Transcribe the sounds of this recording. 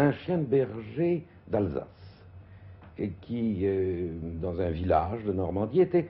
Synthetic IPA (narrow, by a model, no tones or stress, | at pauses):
ɛ̃ʃjɛ̃bɛʁʒe | d̪alza̰s | kʲʰiød̪ɑ̃zɛ̃vilaʒd̪ənɔʁmɑ̃d̪iet̪ɛ